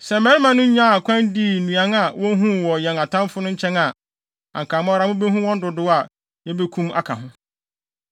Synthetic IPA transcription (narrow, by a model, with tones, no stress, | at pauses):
sɛ˨m˨mɛ̃˦ɾmã˦nʊ̃˦ɲã˦˨kʷʰã˦n˦diː˦˨nũ˨ã˨˦ŋa˨wɔ̃˦ɦũ˦˨wɔ˨jɛ̃˨ŋa˨tʰã˦m˦fʊ˦nʊ̃˦ɲ̩˦t͡ɕʰɛ̃˦ŋa˨ | ã̰˨ŋkʰaː˨mɔ˦ɾa˦mʊ̃˦be˦ɦũ˦wɔ̃˦n˦dʊ˨dʊ˦a˨ | jɛ˦be˦kʰũ˦ma̰˦kʰa̰˨ɦʊ̃˦